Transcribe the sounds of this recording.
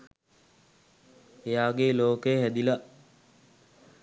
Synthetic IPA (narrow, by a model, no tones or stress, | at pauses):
ejaːɡeloːkəjəɦæd̪ilɐ